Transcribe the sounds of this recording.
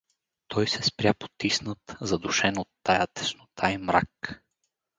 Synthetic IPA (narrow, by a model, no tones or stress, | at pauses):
t̪ʰɔjsɛspɾʲjapo̥t̪isnət̪zɐd̪ʊʃɛnot̪ːajat̪ɛ̥ʃnot̪ʰajmɾa̰k